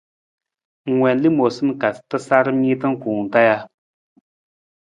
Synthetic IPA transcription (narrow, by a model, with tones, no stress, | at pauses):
ŋwɛ˨nli˦mo˨sɨ˦mka˨stɨ˦sa˦ɾɨ˦mi˦t̬ɨ˦ŋ̩˦kuː˨ŋ̩˨ta˦ja˦